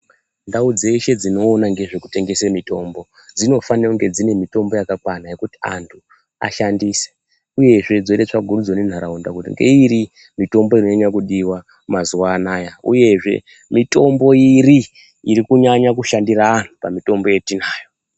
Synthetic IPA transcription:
ndaud͡ze̞iʃe̞d͡zino̞ːnaŋɡeʐekute̞ŋɡe̞semito̞mbo̞ | d͡zino̞faneuŋɡe̞d͡zine̞mito̞mbo̞jakakwanaje̞kuti̥a̰ntʰu | a̰ʃandiːse̥ | uje̞ʐe̞d͡zoitet͡ʂaɡʱuɾud͡zonen̤aɾaunda̰kutḭŋɡe̞̰iɾi | mito̞mbo̞inoaɲakuɗiwa | mazuwaːnajaṵje̞ʐe̞̰ | mito̞mbo̞iɾi | iɾikuɲaɲakuʃandiraːn̤upamito̞mbo̞je̞tinaːjo̞

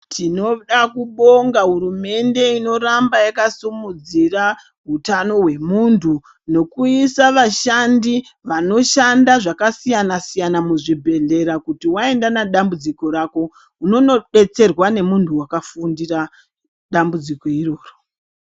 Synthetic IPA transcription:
tʰino̞ɗakuɓo̞ŋɡaɦuɾume̞nde̞ino̞rambajakasumud͡zira | ɦutano̞ɦwe̞muntʰu | no̞kuisaʋaʃandiʋano̞ʃandaʐakasijanasijanamuʐibʱe̞ɮe̞ɾakutiwae̞ndanaɗambud͡ziko̞ɾako̞ | uno̞noɓe̞t͡se̞rwane̞muntʰuwakafundira | ɗambud͡ziko̞iro̞ːro

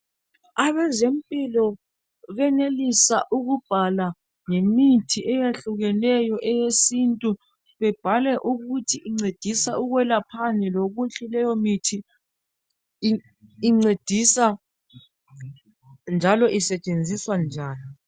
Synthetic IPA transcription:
aβɛzempʼilɔ | ɣɛnelisaʔuɣub̥ʱala | ŋemitʰiʔɛjeɬuɣɛnɛjɔʔɛjesintʼu | βɛb̥ʱalɛʔuɣutʰiʔiŋ͡ǀed̥ʱisauɣwɛlapʰanɛloɣuɬilɛjɔmitʰi | ŋ͡ǀed̥ʱisa | nd͡ʒʱalɔʔisɛt͡ʃʼend͡zʱiswand͡ʒʱaːni

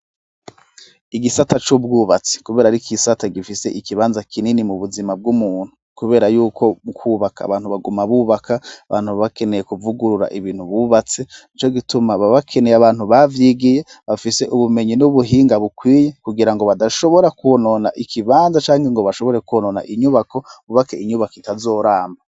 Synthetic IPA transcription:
iɡisatat͡ʃub̚ɡuːβat͡se̥kuβe̞ːɾaɾikisataɡifise̞ʔikiβaːnzakʰininimuβuzimab̚ɡumuːn̥u̥ | kuβe̞ːɾajuːkʰo̞mukʰuːβakʰa̰ːβaːn̥huβaɡumaβuβakʰaaβa̰ːnhuβake̞ne̞je̞kuvuɡuɾuɾa̰ʔiβiːn̥huβuβat͡se̞nit͡ʃo̞ɡitumaβaβakʰe̞nejaβaːn̥huβavjiɡije̞ | βafise̞ʔuβume̞ɲinuβuɦiːŋɡaβukwiːje̞kuɡiɾaŋɡoβadaʃo̞βo̞ɾakuononaʔikʰiβaːnzat͡ʃaːŋhe̞ŋɡo̞βaʃo̞βo̞ɾe̞kuonona̰ʔiɲuβako̞βuβakeiɲuβakoitazoːɾaːmba

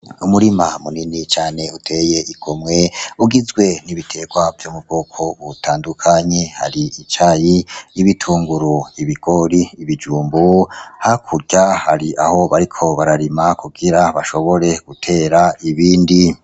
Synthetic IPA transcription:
umuɾimamuninit͡ʃaːne̞utʰe̞jeʔiɡ̥omŋe̞uɡizɡwe̞niβitʰe̞ːɡwavjomub̚ɡoːkʰo̞βutʰaːndukʰaɲe̞ha̰ɾiit͡ʃajiiβitʰuːŋɡuɾoiβiɡ̥o̞ɾiːβid͡ʒuːmbohakʰuɾɟahaɾiʔa̰ho̞βaɾikʰo̞βaɾaɾimakʰuɡiɾaβaʃo̞βo̞ɾe̞ɡ̥utʰe̞ːɾaiβiːndi

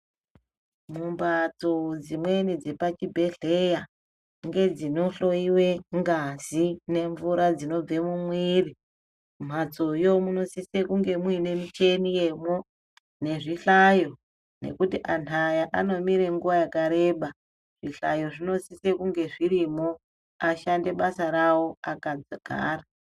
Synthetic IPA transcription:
mumbat͡sod͡zimwe̞nid͡zepat͡ʃibʱe̞ɮe̞ja | ŋɡe̞d͡zino̞ɬo̞iwe̞ŋɡazine̞ɱvuɾad͡zino̞b͡ve̞mumwiːri | m̤at͡so̞jo̞muno̞sisekuŋɡe̞mwine̞mit͡ʃe̞nije̞mo̞ | ne̞ʐiɬajo̞ | ne̞̰kutiʔantʰajaʔano̞miɾe̞ŋɡuʋajakaɾe̞ːɓa | ʐ̥iɬa̰jo̞ʐino̞sise̞kuŋɡe̞ʐiɾimo̞ | aʃande̞ɓasaɾawo̞akad͡zaɡ̥ʱa̰ːra

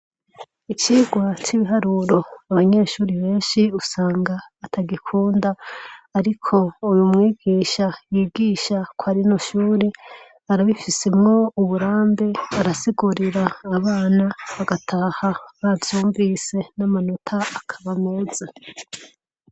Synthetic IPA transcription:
it͡ʃiːɡwat͡ʃiβiɦaɾuːɾo̞aβaɲe̞ːʃuːɾiβe̞ːnʃiusaːŋɡaːtʰaɡikʰuːndaːɾikʰo̞ujumŋiːɡiːʃajiːɡiːʃakoaɾinoʃuːɾi | aɾaβifise̞mŋo̞uβuɾaːmbe̞aɾasiɡuɾiɾaːβaːnaβaɡatʰaːhaβavjuːɱvise̞namanotʰaːkʰaβame̞ːz̥e

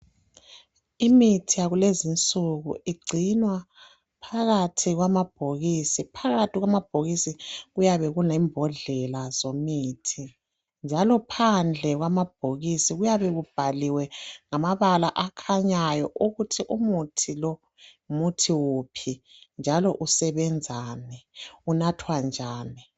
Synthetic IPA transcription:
imitʰijaɣulezint͡sʼuɣṵʔiɡ͡ǀʱinwa | pʰaɣatʰiɣwamab̥ʱoɣisipʰaɣatʰiɣwamab̥̚ʱoɣisiɣujaβɛɣunimbʱɔɮɛlazomitʰi | nd͡ʒʱalɔpʰand͡ɮʱɛɣwamab̥ʱoɣisiɣujaβɛɣub̥ʱaliwɛŋamaβalaʔakʰaɲajɔʔuɣutʰiʔumutʰilɔ | mutʰiwupʰind͡ʒʱalɔʔusɛβɛnd͡zʱaːnɛunatʰwand͡ʒʱaːni

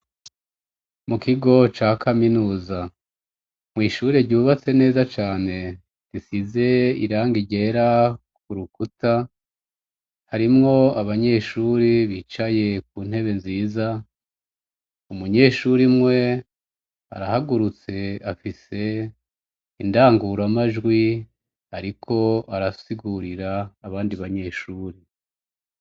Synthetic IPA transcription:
mukiɡo̞t͡ʃaːkʰaminuːza | mŋiːʃuɾe̞ɾɟuːβat͡se̞ne̞ːzat͡ʃaːne̞ | disize̞ḭɾaːŋɡiɟe̞ːɾa | kuɾukuta | haɾimŋo̞aβaɲe̞ʃuːɾiβit͡ʃaje̞k̚uːn̥he̞βe̞nziːza | umuɲe̞ːʃuɾimŋwe̞ | a̰ɾahaɡuɾut͡se̞afise̞ | indaːŋɡuɾamaʒɡwi | aɾikʰo̞aɾasiɡuɾiɾaːβaːndiβaɲe̞ʃuːɾi

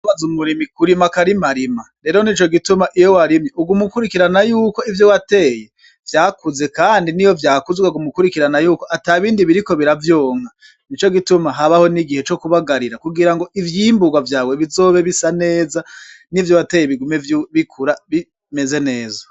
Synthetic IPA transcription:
βazumuɾimikuɾimakaɾimaɾima | ɾe̞ɾo̞nit͡ʃo̞ɡitumaʔijo̞waɾimɲeʔuɡumukuɾikiɾanajuːko̞ivjowate̞ːje̞ | v̥jaːkuze̞kaːndinijo̞vjaːkuzɡwaɡumukuɾikiɾanajuːko̞ʔataβiːndiβiɾiko̞βiɾavjo̞ːŋa | nit͡ʃo̞ɡitumaɦaβaho̞niɡihe̞t͡ʃo̞kuβaɡaɾiɾakuɡiɾaŋɡo̞ʔivjiːmbuɡwavjaːwe̞βizoːβe̞βisane̞ːza | nivjowate̞jeβiɡumeβikʰuɾaβi | me̞ze̞ne̞ːzo

